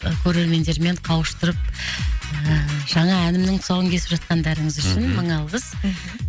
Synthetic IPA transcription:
kʲʰɵɾe̞ɾme̞nd̪e̞ɾme̞ɴqʰɑwəʃt̪ʊɾəp̚ | ʒ̥ɑɴɑænɪmnɪŋt̪ʰʊ̥sɑwəŋkʲʰe̞sɪ̥pʒɑt̪̚qɑnd̪æɾɪŋəzʏʃɪnməɴɑlˠʁəz̥

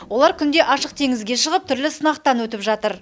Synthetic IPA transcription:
wo̞lˠɑɾkʲʰʏnd̪e̞ʔɑʃəq̚t̪ʰe̞ŋɪzɡʲe̞ʃəʁəp̚t̪ʰʏɾlɪsənɑqt̪ɑnwɵt̪ɪpʒɑt̪əɾ

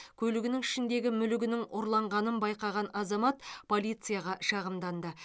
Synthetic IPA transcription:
kʲʰɵlɪɡʲɪnɪŋɪʃɪnd̪e̞ɡʲɪmʏlɪɡʲɪnɪŋʊɾlˠɑɴʁɑnənbɑjqɑʁɑnɑzɑmɑt̪pʰo̞lˠijt̪sɨjaʁɑʃɑʁəmd̪ɑnd̪ə

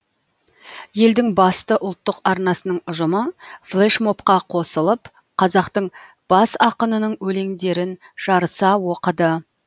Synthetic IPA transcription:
je̞ld̪ɪŋbɑst̪əʔʊlˠt̪ːəqɑɾnɑsənəɴʊʒəməflˠeʃmo̞pqɑqʰo̞səlˠəp | qʰɑzɑqt̪əɴ | b̥ɑsɑqənənəɴwɵle̞ŋd̪e̞ɾɪn | ʒ̥ɑɾəsɑwoqəd̪ə

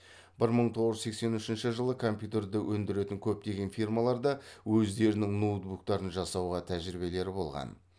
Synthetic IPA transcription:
bɪɾməɴt̪ʰo̞ʁəʒʏze̞kse̞nʏʃɪnʃɪʒəlˠəkʰo̞mpʲjut̪e̞rd̪ɪwʔɵnd̪ɪɾe̞t̪ɪŋkʲʰɵp̚t̪e̞ɡʲe̞nfijrmɑlˠɑɾd̪ɑwɵzd̪e̞ɾɪnɪŋnot̪̚bukt̪ɑɾənʒɑsɑwʁɑt̪ʰæʒɾibe̞le̞ɾɪbo̞̰lˠʁɑ̰n

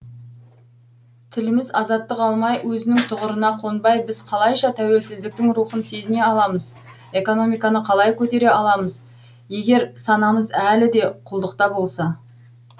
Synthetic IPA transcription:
t̪ʰɪlɪmɪzɑzɑt̪ːəqɑlˠmɑjwɵzɪnɪŋt̪ʰʊʁəɾənɑqʰo̞nbɑjbɪzqʰɑlˠɑjʃɑt̪ʰæwe̞lsɪzd̪ɪk̚t̪ɪŋɾuχənse̞zɪne̞ɑlˠɑməz | e̞ko̞no̞mijkɑnəqʰɑlˠɑjkʲʰɵt̪e̞ɾe̞ɑlˠɑməz | je̞ɡʲe̞ɾsɑnɑməzælɪd̪e̞qʰʊlˠd̪əqt̪ɑbo̞lˠsɑ

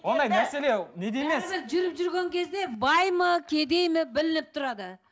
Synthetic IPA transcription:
wo̞nd̪ɑjnæselened̪emesɾʒʏɾɪpʒʏɾɡʲe̞ŋkʲʰe̞zd̪e̞bɑjməkʲʰe̞d̪e̞jmɪbɪlɪnɪp̚t̪ʰʊɾɑd̪ə

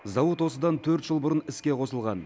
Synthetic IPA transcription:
zɑwət̪wo̞səd̪ɑnt̪ʰɵɾt̪ʒ̥əlˠbʊɾənɪskʲe̞qʰo̞səlˠʁɑ̰n

